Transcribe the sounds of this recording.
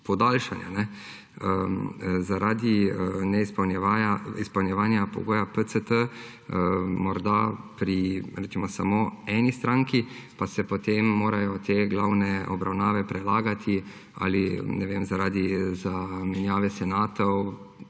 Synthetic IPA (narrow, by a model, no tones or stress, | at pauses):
pɔd̪aːlʃanja̰nɛ | əzaɾaːd̪iənɛispɐwnjɛʋaːjaispɐwnʲjɛʋaːnjapɔ̰ɡoːjapət̪sət̪ə | mɔɾd̪apɾiɾɛsimɔsamoːɛːnist̪ɾaːŋkipasɛpɔt̪emːoːɾajɔt̪ʰeːɡlawnɛɔ̰bɾawnaːʋɛpɾɛlaːɡat̪ʰi | a̰linɛʋemzaɾaːd̪izamɛnjaːʋɛsɛnaːt̪ɔw